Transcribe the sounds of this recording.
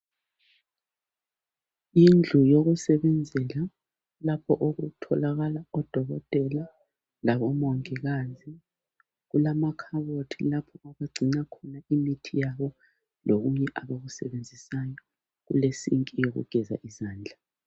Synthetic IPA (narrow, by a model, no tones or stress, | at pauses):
ind͡ɮʱujoɣusɛβɛnd͡zʱɛla | lapʰɔʔoɣutʰɔlaɣalaɔd̥ʱɔɣɔtʼɛla | laβɔmɔŋiɣazi | ɣulamakʰaβotʰḭlapʰɔaβaɡ͡ǀʱinakʰɔnaimitʰijaβɔ | lʔoɣuɲɛʔaβoɣusɛβend͡zʱisajɔ | ɣṵlesiŋkʼijoɣṵɡ̥ʱɛza̰ʔizaːnd͡ɮʱa